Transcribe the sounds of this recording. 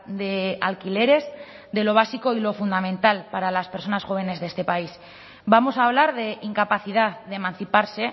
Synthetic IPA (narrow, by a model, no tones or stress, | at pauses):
d̪e̞alkile̞ɾe̞z | d̪e̞lo̞β̞asiko̞ilo̞fund̪amẽnt̪alpaɾalaspe̞ɾso̞nasxo̞βe̞ne̞zðe̞st̪e̞pais | bamo̞saːβ̞laɾðe̞ʔiŋkapaθið̞aððemãnθipaɾse̞